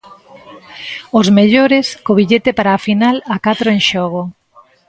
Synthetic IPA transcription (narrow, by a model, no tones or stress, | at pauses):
ʊzmeʎoɾeskoβiʎet̪epaɾaːfinalakat̪ɾoeŋʃɔɣ̞o